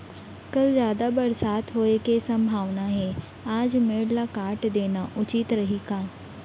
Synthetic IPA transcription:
kɐlzjaːd̪abɐɾsaːt̪ɦoːekesɐ̃mbʱaːʋnaɦɛː | aːd͡ʒmeːɽlakaːʈd̪eːnaʔʊt͡ʃɪt̪ɾɐɦikaː

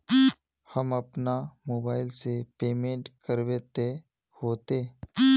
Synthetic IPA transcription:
həmɐpnamoːbaːɪlsepeːmẽːɳʈkəɾweːt̪e | hoːt̪e

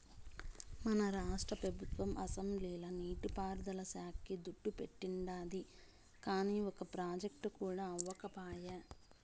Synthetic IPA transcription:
mɐnɐɾaːʂʈɾɐpɾɐbʱut̪ʋɐmʔɐsɐmbliːlɐniːʈipaːɾd̪ɐlɐsaːkʰːid̪uɖːupeʈːiɳɖaːd̪i | kaːniːɔkɐpɾaːd͡ʒɐk̚ʈukuːɽaːɐʋːɐkɐpaːjɐ

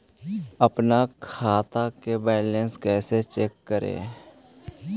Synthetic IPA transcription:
əpnakʰaːt̪akebɛːlẽnskɛːset͡ʃeːkːəɾḛː

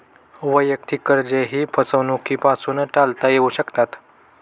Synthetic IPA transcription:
ʋəjək̚t̪ʰikəɾd͡ʑeɦiːpʰəsəʋnukiːpasuːnʈalt̪ajeuɕəkt̪at̪

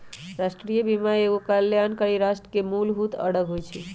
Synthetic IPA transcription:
ɾaʃʈɾijəbimaeɡokaljankəɾiɾaʃʈɾə̥kemulɦut̪ʰə̰ɽəkɦojt͡ʃʰi

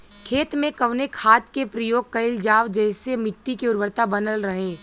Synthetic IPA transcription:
kʰeːt̪mẽkɐʋnekʰaːt̪kepɾəjoːɡ̚kɐɪld͡ʒaːʋd͡ʒɛːɪsemɪʈːikiʊɾʋəɾt̪abɐnəlɾəɦẽː

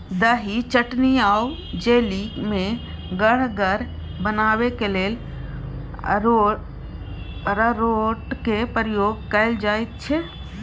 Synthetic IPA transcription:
d̪əɦit͡ʃəʈniaːw | d͡ʒeːlimẽ | ɡəɽ̤ɡəɾ | bənaːʋekeleːl | o | ɾəɾoʈkepəɾəjoːɡkəɪld͡ʒaːjt̪̚t͡ʃʰɛ

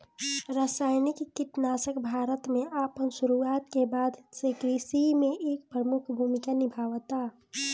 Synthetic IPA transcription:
ɾaːsaːɪnɪkːɪʈ̪naːsəkbʱaːɾət̪mẽʔaːpənsʊɾuaːt̪kebaːd̪ʱsekɾisimẽʔeːk̚pɾəmʊkʰbʱumikanɪbʱaːʋt̪a

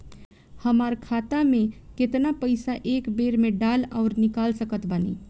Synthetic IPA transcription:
həmaɾkʰat̪amẽket̪napəɪsaʔekbeɾmeɖalaʊɾnikalsəkət̪bənḭ

